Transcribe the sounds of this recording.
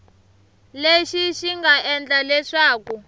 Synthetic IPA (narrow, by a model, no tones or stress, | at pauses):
leʃiʃiŋɡaʔɛnd͡ɮalɛʂaːku